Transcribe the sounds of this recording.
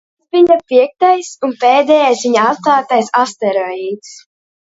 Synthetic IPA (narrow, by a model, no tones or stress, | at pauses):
sviɲapiɛk̚t̪ajsunpɛːd̪ɛːjajsviɲaat̪klˠaːt̪ajsast̪ɛɾɔiːd̪s